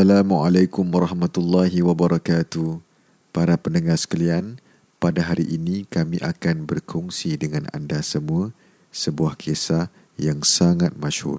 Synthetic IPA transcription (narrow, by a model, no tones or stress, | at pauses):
alamualakʊmwaɾˤɑhmat̪ulːaɦiwabaɾɑkat̪u | paɾapənəŋahsə̥kalian | padaɦaɾiʔinĩkamĩʔakanbərkʰɔŋsidəŋãna̰ndasəmũə | səbuahkʰesa | jaŋsaŋat̪̚mãʃhṵr